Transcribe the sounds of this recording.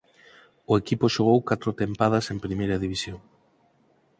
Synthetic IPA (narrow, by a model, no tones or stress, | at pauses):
ʊekipoʃoɣ̞owkat̪ɾʊt̪empað̞ɐsempɾimejɾɐðiβ̞isjoŋ